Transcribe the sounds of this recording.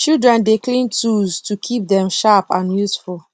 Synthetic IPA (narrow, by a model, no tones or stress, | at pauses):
t͡ʃildɹɛ̃ndeklĩntuztʰukʰip̚dɛ̃mʃapãnjusful